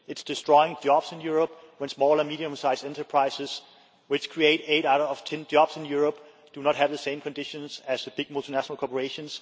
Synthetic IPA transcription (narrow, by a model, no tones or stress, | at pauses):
ɨtsd̥ɨstɹ̥ɔɪɪ̃ŋd͡ʒɑb̥sɪ̃njuɹəp̚wə̃nsmɔlˠə˞miɾiə̃msaɪsɛ̃ntə˞pʰɹ̥aɪsɨs | wɪt͡ʃkʰɹ̥ieɪɾeɪɾaʊɾʌv̥tʰɛ̃nd͡ʒɑb̥sɪ̃njuɹəp̚ | d̥unət̚ɦævðəsẽɪ̃mkʰɨ̃ndɪʃə̃nsæzðəb̥ɪɡ̚mʊlˠtʰinæʃənəl̩ˠkʰɔpəɹeɪʃə̃ns